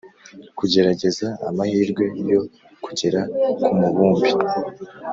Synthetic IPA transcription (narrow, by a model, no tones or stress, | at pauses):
kuɟe̞ɾaɟe̞zaa̰mahiːɾɡwe̞jo̞ | ku̥ɟe̞ɾakumuβuːmbi